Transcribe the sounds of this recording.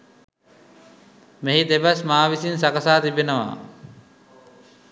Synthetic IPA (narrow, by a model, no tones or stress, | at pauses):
meɦid̪ebasmaːʋisinsakəsaːt̪ibenəʋa̰